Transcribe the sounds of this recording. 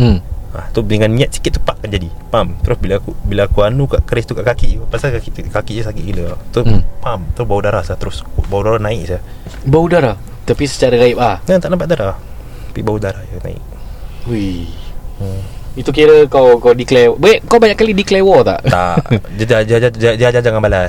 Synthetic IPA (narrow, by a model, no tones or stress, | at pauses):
a̰ht̪udəŋanːĩat̪̚si̥kɪt̪̚ːu̥paʔkːand͡ʒadipamt̪əɾʊsbilakubilaːkuanukaʔkəɾɪst̪ukaʔkakiʔpaʔsaakkakiʔd͡ʒusakikiləat̪upamt̪əɾʊsbaudaɾasat̪əɾʊskubaudaɾanaɪk̚sa | baudaɾa | t̪apisə̥t͡ʃaɾaɡaɪp̚ahnat̪aʔnampaʔdaɾah | pibaudaɾahjana̰ɪ̰k̚u | it̪ukiɾəkawkawdiklewbʔkawbaɲaʔkalidiklewɔt̪a̰ʔt̪a̰ʔd͡ʒad͡ʒad͡ʒaaad͡ʒad͡ʒad͡ʒaŋanbalas